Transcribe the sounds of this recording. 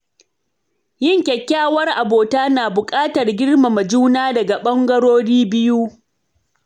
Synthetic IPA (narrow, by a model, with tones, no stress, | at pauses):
jɪ˦˨ŋkʲɛ˨kʲːaː˦˨wɐ˦rʔa˨boː˨taː˦naː˨bʊ˨kʼaː˦tɐ˨rɡʲɪ˦rma˨mɐ˨d͡ʒuː˦naː˦dɐ˨ɡa˨ɓɐ˦ŋɡɐ˦ɽoː˦ɽiː˦bɪ˦ju˦